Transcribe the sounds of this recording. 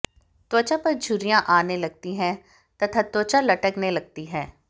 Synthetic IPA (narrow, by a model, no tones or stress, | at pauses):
t̪oːt͡ʃapɐɾd͡ʒʱʊɾijãʔaːnelɐɡ̚t̪iɦɛ̃ː | t̪ɐt̪ʰat̪oːt͡ʃalɐʈəknelɐɡ̚t̪iɦɛ̃ː